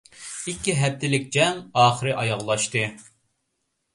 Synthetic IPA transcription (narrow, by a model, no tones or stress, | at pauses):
ikʲːiɦɛp̚t̪ʰɪlɪk̚ʲd͡ʒɛŋɑːχəɾɨʔɑjɑʁlˠɑʃt̪ɨ